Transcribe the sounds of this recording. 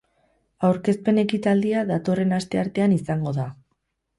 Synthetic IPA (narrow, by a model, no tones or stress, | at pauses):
awɾke̞spe̞ne̞kit̪ald̪iaðat̪o̞re̞nast̪e̞aɾt̪e̞anisaŋɡo̞ða